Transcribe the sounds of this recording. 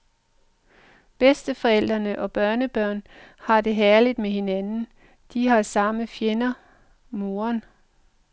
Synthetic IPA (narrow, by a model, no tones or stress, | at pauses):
b̥esd̥əfɒ̽el̰d̥ʁɐnəʔɒ̽b̥ɶɐnəb̥ɶɐ̰nhɑ̈d̥e̝ɦæɐlid̥meɦe̝nænn̩ | d̥iɦɑ̈sɑ̈məfjenɐ | mo̝ːɐn